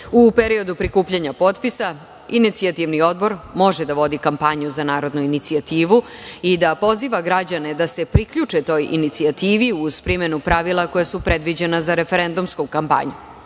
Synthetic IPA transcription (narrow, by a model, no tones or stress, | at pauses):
upeɾio̞d̪upɾikuːpʎaɲapo̞t̪pisa | init̪siat̪iʋnio̞d̪̚bo̞ɾmo̞ʒɛd̪aʋo̞d̪ikampaɲuzanaːɾo̞d̪nuinit̪siat̪iːʋuid̪apo̞ziʋaɡɾad͡ʑaned̪ase̞pɾikʎut͡ʂet̪o̞ːjḭnit̪siat̪iːʋiuz̥pɾimenupɾaʋilˠako̞jasupɾed̪ʋid͡ʑenazaɾefeɾend̪umskukampa̰ɲu